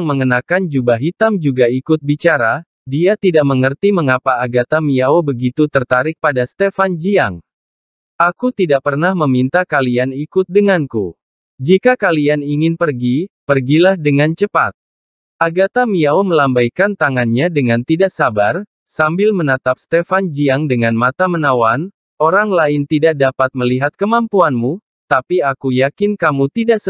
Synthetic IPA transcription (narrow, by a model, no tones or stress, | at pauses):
ŋməŋənakand͡ʒubaɦit̪amd͡ʒuɡaikʊt̪̚bit͡ʃaɾa | diat̪idaʔ̚məŋərt̪iməŋapaːɡat̪amiaobəɡit̪ut̪ərt̪aɾɪk̚padast̪efand͡ʒiaŋ | ʔakut̪idaʔ̚pərnahməmint̪akalianikʊt̪̚dəŋanku | d͡ʒikakalianiŋɪnpərɡipərɡilahdəŋant͡ʃəpa̰t̪̚ | ʔaɡat̪amiaoməlambajkant̪aŋanɲadəŋant̪idaʔsabar | sambɪlmənat̪ap̚st̪efand͡ʒiaŋdəŋanmat̪amənawan | oɾaŋlaɪnt̪idaʔ̚dapat̪̚məliɦat̪̚kəmampuanmu | t̪apiakujakɪnkamut̪idaʔsə